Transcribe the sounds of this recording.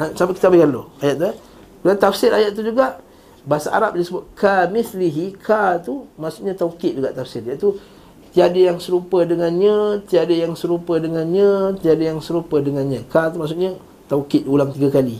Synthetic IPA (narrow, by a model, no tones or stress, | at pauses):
ãsampaʔkit̪abajkalo̰ajat̪̚lə | kudant̪afsɪɾajat̪̚tːud͡ʒuɡaʔ | basa̰ʔa̰ɾap̚disəbʊt̪̚kʰamɪsliɦikʰat̪umaʔsuʔɲat̪aukɪt̪ʔ̪̚d͡ʒuɡaʔt̪afsɪrjat̪u | t̪iadəjaŋsəɾupədəŋanɲat̪iadəjaŋsəɾupədəŋanɲãt̪iadəjaŋsəɾupədəŋanɲakat̪umaʔs̬uʔɲa | t̪aukɪt̪̚ulaŋt̪iɡakali